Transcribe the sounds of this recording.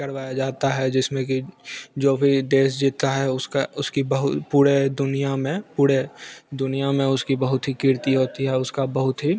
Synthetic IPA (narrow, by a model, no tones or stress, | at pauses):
kəɾʋaːjad͡ʒaːt̪aɦɛd͡ʒɪsmẽkid͡ʒoːbʱid̪eːs̬d͡ʒiːt̪aɦɛʊskaʊskibəɦʊpuːɾed̪ʊnijamẽpuːɾed̪ʊnijamẽʊskibəɦʊt̪ɦikɪɾt̪iɦoːt̪iɦɛʊskabəɦʊt̪ɦi